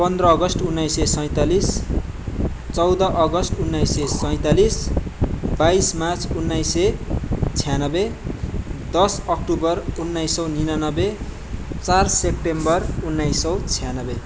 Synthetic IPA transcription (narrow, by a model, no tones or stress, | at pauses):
pʌnd̪rʌːɡʌsʈunːajsesʌj̃t̪alis | t͡sʌwd̪ʌʔʌɡʌsʈunːajsesʌj̃t̪alis | bajsmat͡sunːajset͡sʰijanʌbe | d̪ʌsʌkʈubʌrunːajsʌwninanʌbe | t͡sarsep̚ʈembʌrunːajsʌwt͡sʰijanʌbe